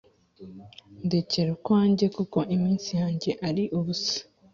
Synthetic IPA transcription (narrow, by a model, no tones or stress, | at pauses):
ndeceɾukwaːɲɟe̞kuko̞ʔimiːnsijaːɲɟe̞ʔaɾiʔuβusḁ